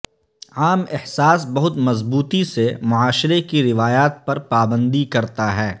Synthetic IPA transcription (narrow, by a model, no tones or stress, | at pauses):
aːmɪhsaːsbɐɦʊt̪mɐzbuːt̪isemʊaːʃɾekiɾɪʋaːjaːt̪̚pɐɾpaːbə̃nd̪ikɐɾt̪aɦɛː